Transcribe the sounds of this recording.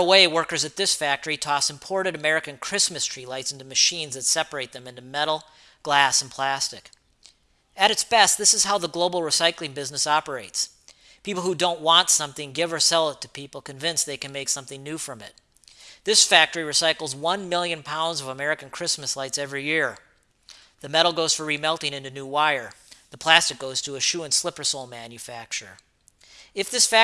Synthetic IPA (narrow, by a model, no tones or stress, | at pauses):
əweɪwɜ˞kə˞zɨt̪̚ðɪsfæk̚tə˞itʰɔsɨ̃m̩pʰɔɹɾɨɾɨmɛɹɨkɨ̃nkʰɹ̥ɪsmɨstʰɹ̥ilaɪtsɪ̃ntʉmɨʃĩnzðɨtsɛpə˞eɪt̪̚ðɨ̃mɪ̃ntʉmɛɾl̩ˠ | ɡ̥læsn̩pʰl̥æstɨk | ɨɾɨtsb̥ɛst̚ðɪsɨz̥hɦaʊðəɡloʊbl̩ˠɹɨsaɪklˠɪ̃ŋbɪznəsɑpə˞eɪts | pʰipl̩ˠhudõʊ̃nʔwɑ̃ntsʌ̃mθɪ̃ŋɡɪvə˞sɛlˠətʰɨpipl̩ˠkɨ̃ɱvɪ̃nsðeɪkɨ̃nmeɪksʌ̃mθɪ̃ŋnʉfɹʌ̃mɪ̰t̪̚ | ðɪsfæk̚tə˞iɹɨsaɪkl̩ˠzwʌ̃nmɪlˠjɨ̃npʰãʊ̃ndzʌvəmɛɹɨkɨ̃n̩kʰɹ̥ɪsmɨslaɪtsɛvɹijɪɹ | ðɨmɛɾl̩ˠɡoʊz̥fə˞ɹimɛlˠtɪ̃ŋɪ̃ntʉnuwaɪə˞ðəpʰl̥æstɨk̚ɡ̥oʊz̥tʰɨːʃʉə̃nslɪpə˞soʊlˠmæ̃njɨfæk̚t͡ʃə̰˞ | ɨfðɪsfæ